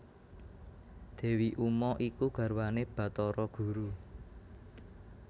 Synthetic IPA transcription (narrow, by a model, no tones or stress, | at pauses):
d̪̥ɛ̤wiʔumɔʔikuɡ̥ä̤ɾwaneb̥a̤t̪ɔɾɔɡ̥ṳɾu